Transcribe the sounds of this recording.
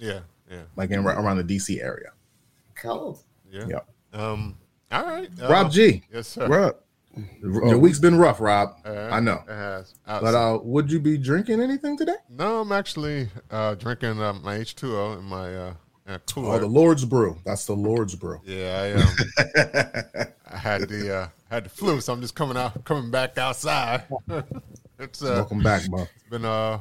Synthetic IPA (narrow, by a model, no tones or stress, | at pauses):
jæ | jælaɪkɨ̃nãʔə̰˞ãʊ̃nðɨdisiʔɛ̰ɹḭɨ̰ | kʰʌd | jæjɛ̰p̚ | ʌ̃m | ɔlˠɹaɪt̚ɹɑb̚d͡ʒijsɹap̚ | əwiksb̥ɨ̃nɹʌfɹɑb̚aɪnoʊ̥ | b̥ʌɾʌwəd͡ʒɨbidɹɪ̃ŋkɪ̃ŋɛñiθɪ̃ŋtʰɨdeɪnoʊãɪ̃mæk̚t͡ʃl̩ˠiʌdɹɪ̃ŋkɪ̃ŋʌmaɪeɪt͡ʃtʰʉoʊɨ̃nmaɪʌ | ɨ̃nmaɪkʰuðəlɔɹdzbɹʉðætsðəlɔɹdzbɹʉ̰jæaɪʌm | aɪɨd̪̚ðɨʌ | ɨd̪̚ðɨflusãɪ̃md͡ʒʌskʰʌ̃mɪ̃ŋaʊkʰʌ̃mɪ̃ŋbækaʊtsaɪd̚ | ɨtsʌɛkmbæk̚ʌsb̥ɨ̃nʌ